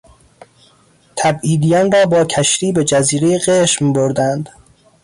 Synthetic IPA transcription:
t̪ʰæbiːd̪ijɒːnrɒːbɒːcʰæʃɾiːbe̞d͡ʒæziːɾejeɣeʃmboɾd̪ænd̪

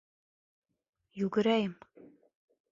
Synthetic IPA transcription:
juɡɘ̆ɾæjɘm

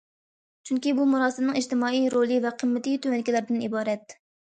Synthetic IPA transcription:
t͡ʃʰyŋkʲibumuɾɑːsɨmnɨŋid͡ʒt̪ɪmɑːijɾolˠɨvɛqʰəmːɪt̪it̪ʰømɛnɪkʲilæɾɪd̪ɪnibɑːɾɛt̪

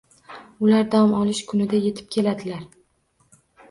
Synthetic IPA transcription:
ʊlaɾd̪aɒmɒlˠɪʃkʰʊnɪd̪aje̞t̪ʰɪ̥p̚kʲʰe̞lad̪ɪlaɾ

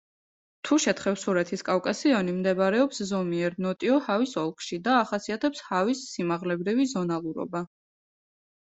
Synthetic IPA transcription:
t̪ʰuʃɛt̪ʰχɛfsuɾɛt̪ʰiskʼafkʼasiɔnimd̪ɛbɾɛɔpszɔmiɛɾnɔt̪ʼiɔhavisɔlˠkʰʃid̪aːχasiat̪ʰɛpshavisːimaʁlɛbɾivizɔnalˠuɾɔ̰ba

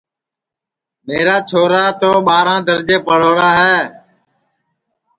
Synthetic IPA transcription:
meːɾaːt͡ʃʰoːɾaːt̪oːɓaːɾãːd̪əɾd͡ʒeːpəɽ̤oːɾaːɦɛː

